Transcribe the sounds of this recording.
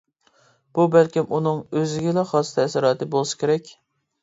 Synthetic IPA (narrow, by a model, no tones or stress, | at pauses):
b̥ubælkʲimunɨŋøzɪɡʲɪlɛχɑst̪ʰɛsɪɾɑːt̪ɨbolˠɨsɨ̥kʲeɾɛkʲ